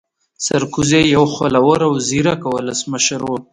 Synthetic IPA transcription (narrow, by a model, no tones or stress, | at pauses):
saɾkuzejawxalawəɾawziɾakawələsməʃəɾwu